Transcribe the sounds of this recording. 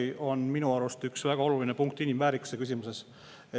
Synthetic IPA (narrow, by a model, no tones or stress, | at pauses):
iʔo̞nminuɑɾust̪yksvæɡ̥ɑo̞luline̞puŋk̚t̪inimvæːɾiksekys̬ʲimuse̞s | e